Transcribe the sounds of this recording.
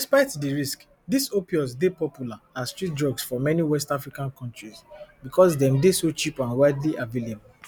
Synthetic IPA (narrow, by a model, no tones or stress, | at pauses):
dispaɪtdiɹisk | disopiɔsdepɔpʰjulaasstɹit̚dɹɔɡsfɔmɛniwɛstafɹikãnkʰɔ̃ntɹisbikʰɔsdɛ̃mdesot͡ʃipãnwaɪdliʔavilib